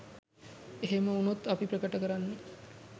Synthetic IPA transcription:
eɦeməunot̪ːapipɾəkəʈəkəɾanːe

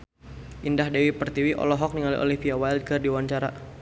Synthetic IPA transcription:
ʔindahdewipərt̪iwiʔɔ̰lɔɦɔk̚niŋaliʔo̰lifiawaild̚kərdiwaɲt͡ʃaɾa̰

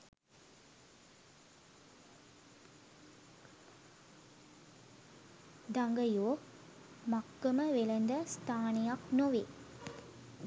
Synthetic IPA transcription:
d̪aŋɡəjoː | makːəməʋelənd̪əst̪ʰaːnejaknoʋe

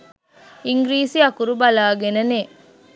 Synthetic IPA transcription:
iŋɡɾiːsiɐkuɾubɐlaːɡenəne

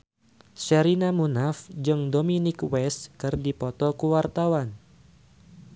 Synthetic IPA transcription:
sɛɾinamunafd͡ʒɨŋdominɪkwɛskɨrdipɔt̪ɔkuwart̪awan

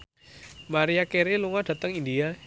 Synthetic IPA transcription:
maɾiakeɾiluŋad̥ä̤t̪əŋind̪ia

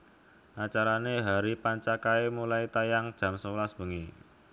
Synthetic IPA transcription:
ʔat͡ʃaɾaneɦaɾipaɲt͡ʃakaemulait̪ajaŋd̥ʒ̥a̤msəwlasb̥ə̤ŋi

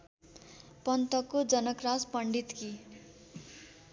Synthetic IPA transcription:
pʌnt̪ʌkːod͡zʌnʌkraspʌɳɖit̪ki

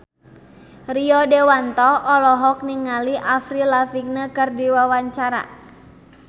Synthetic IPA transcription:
riɔdewant̪ɔʔːlɔɦɔk̚niŋaliʔafɾilafik̚nəkɨrdiwawaɲt͡ʃaɾa̰

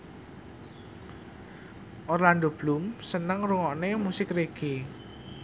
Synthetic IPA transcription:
ʔɔrland̪ob̥lumsənəŋruŋɔʔnemusɪkreɡ̥e

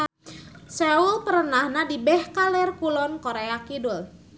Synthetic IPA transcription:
sɛulpəɾənahnadibɛhkalɛrkulɔnkoɾeakidʊl

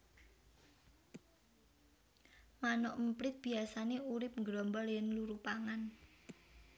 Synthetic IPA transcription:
manɔʔm̩pɾɪt̪̚b̥i̤asaneuɾɪp̚ŋɡɾɔmbɔljɛnluɾupaŋan

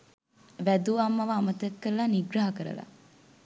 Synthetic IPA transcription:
ʋæd̪uɐmːɐʋaːmɐt̪ɐkːəɾəlaniɡɾaɦɐkəɾə̰la̰

